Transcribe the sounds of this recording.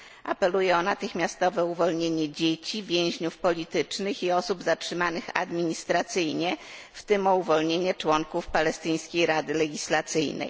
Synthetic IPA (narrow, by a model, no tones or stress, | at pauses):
ʔa̰pɛlujɛɔnat̪ɘxmʲjast̪ɔvɛuvɔlɲeɲɛd͡ʑet͡ɕivʲjẽw̃ʑɲufpɔlʲit̪ɘt͡ʂnɘxiɔsubzatʂɘmanɘxa̰d̪mʲiɲist̪ɾat̪sɘjɲɛft̪ɘmɔuvɔlɲeɲɛt͡ʂwɔŋkufpalɛst̪ɘj̃skʲejɾad̪ɘlɛɡʲislat̪sɘjnɛ̰j